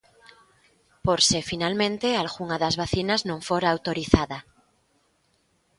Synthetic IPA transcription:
poɾsefinalmẽnt̪ealɣuŋaðazβaθinaznõɱfoɾaːwt̪oɾiθaða

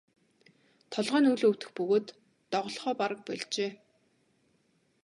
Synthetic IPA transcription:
t̪ʰɔɮʁœːnuɮɵwt̪ɘ̆xpɵɣoːt̪ː | ɔʁɞ̆ɮχɔːpaɾə̆k̚pœɮt͡ɕeː

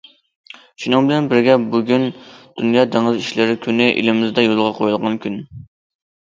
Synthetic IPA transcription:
ʃunɨŋbɪlɛnbɪɾɡʲɛbuɡʲynd̪̥unjɑːt̪ʰeŋɪziʃlɪɾɪkʲʰynɪʔḭlɪmɪzd̪ɛjolˠʁɑqʰojulˠʁɑnkʲyn

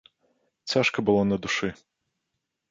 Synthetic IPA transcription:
t͡sʲaʂkɐbɨlˠɔnɐd̪uʂɨ

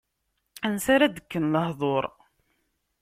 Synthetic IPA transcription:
ænsaɾæd̪əkːənləhðˤoɾˤ

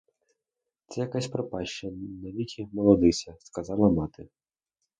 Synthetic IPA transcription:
t̪sɛjɐkasʲpɾɔpɑʃt͡ʃɐnɐʋʲikʲʰimɔlˠɔd̪ɪsʲɐskɐzɑlˠɐmɑt̪ɪ

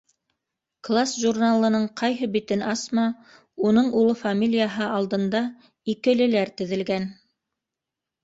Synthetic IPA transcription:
klˠasʒurnalˠɤ̆nɤɴqʰɑjɦɤbit̪ɘnɑsmɑ | unɤɴulˠɤfamʲilʲijaɦɤɑlˠd̪ɤ̆nd̪ɑ | ikɘ̆lɘ̆læɾt̪ɘ̆ðɘ̆lɡæn

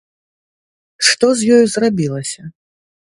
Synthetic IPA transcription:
ʂt̪ɔzʲjɔjuzrabʲilˠɐsʲɐ

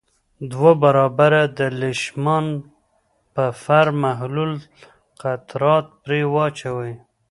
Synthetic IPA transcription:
d̪wabaɾɑbaɾad̪əlɪʃmɑn | pəfaɾmaɦlul | qat̪ɾɑt̪̚pɾewɑt͡ʃawəj

